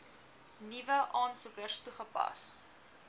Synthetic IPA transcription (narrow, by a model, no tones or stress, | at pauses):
nivəʔɑːnsukərtuχəpɐ̰s